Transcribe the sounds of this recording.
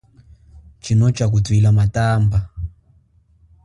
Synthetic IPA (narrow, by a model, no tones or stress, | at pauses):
t͡ʃinot͡ʃak̬utwilamataːmba